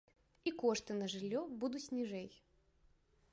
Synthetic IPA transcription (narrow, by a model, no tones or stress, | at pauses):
ikɔʂt̪ɨnɐʐɨlʲːɔbud̪usʲnʲiʐɛj